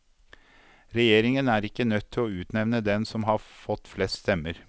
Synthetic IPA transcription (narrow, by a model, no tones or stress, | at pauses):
ɾɛjeːɾɪŋənæːɾɪkːənœt̪ʰːɪlɔʉːt̪nɛʋnəd̪ɛnsɔmɦɑfɔt̪ːflɛst̪st̪ɛmːəɾ